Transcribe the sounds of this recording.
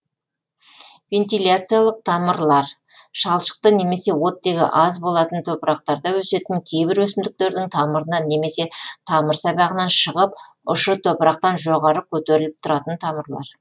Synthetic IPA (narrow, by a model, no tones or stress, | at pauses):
vʲe̞nt̪ilʲat̪sɨjalˠəq̚t̪ʰɑməɾlˠɑɾ | ʃɑlˠʃə̥q̚t̪əne̞me̞se̞wo̞t̪ːe̞ɡʲɪ̰ʔɑzbo̞lˠɑt̪ənt̪ʰopɾɑq̚t̪ɑɾd̪ɑwɵse̞t̪ɪŋkʲʰe̞jbɪɾwɵsɪmd̪ɪk̚t̪e̞ɾd̪ɪŋt̪ʰɑməɾənɑne̞me̞se̞t̪ʰɑməɾsɑbɑʁənɑnʃəʁəp̚ | ʊʃət̪ʰopɾɑq̚t̪ɑnʒo̞ʁɑɾəkʲʰɵt̪e̞ɾɪlɪp̚t̪ʰʊɾɑt̪ənt̪ʰɑməɾlˠɑ̰ɾ